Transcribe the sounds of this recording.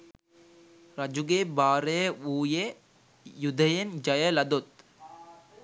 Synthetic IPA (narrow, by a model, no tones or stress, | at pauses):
ɾɐd͡ʒuɡebaːɾejəuːje | jud̪ʱəjend͡ʒɐjəlɐd̪ot̪̚